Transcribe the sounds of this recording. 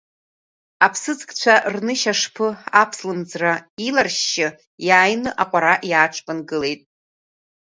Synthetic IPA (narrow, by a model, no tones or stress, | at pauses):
apʰsɨd͡zkʼt͡ɕʷʰarnɨʃaʂpʰɨapʰslɨmd͡zrailarʃːɪ | jaːjnɨʔaqʷʼaɾaʔjaːʈ͡ʂʰpʼɨnɡɨle̞jtʼ